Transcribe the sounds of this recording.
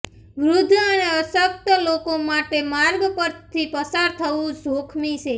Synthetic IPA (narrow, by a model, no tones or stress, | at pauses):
ʋɾʊd̪ʱəneəʃək̚t̪əlokomaʈemaɾɡpəɾt̪ʰipəsaɾt̪ʰəʋũd͡ʒokʰmit͡ʃʰe